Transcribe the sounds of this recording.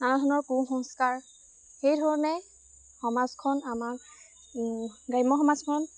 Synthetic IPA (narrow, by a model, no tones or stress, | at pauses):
anadʱɔnɔɹkũxɔŋskaɹ | xejdʱɔɹɔnɛ | xɔmazkʰɔnamak | ɡajmɔxɔmazkʰɔn